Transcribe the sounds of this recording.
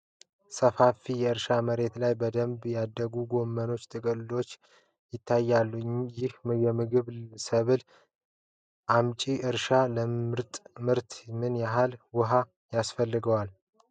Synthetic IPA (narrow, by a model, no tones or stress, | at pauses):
səfafijɛɨɾʃaməɾe̞t̪lajbəd̪əmbjad̪ːəɡuɡo̞mːəno̞t͡ʃːt̪ʼɨkʼɨlːo̞t͡ʃː | jɪt̪ʰːajːalːujɪhjɛmɨɡɨβsəβɨl | ʔamt͡ʃʼiʔɨɾʃaləɨɾt̪ʼmɨɾt̪mɨnjaɦalwʊɦa | jasfəlːɨɡəwal